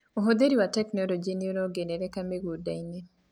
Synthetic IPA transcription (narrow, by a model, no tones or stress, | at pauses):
oɦod̪eɾiwatɛknɔlod͡ʒenionoɡeneɾekameɡudaine